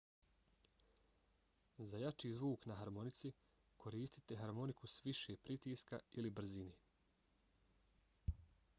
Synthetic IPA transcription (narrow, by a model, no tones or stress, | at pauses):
zajat͡ʃiːzʋuːknaɦaɾmo̞nit̪si | kʰo̞ɾiːst̪i̥t̪e̞ɦaɾmo̞nikusʋiʃeːpɾit̪iːska̰ilibɾ̩zineː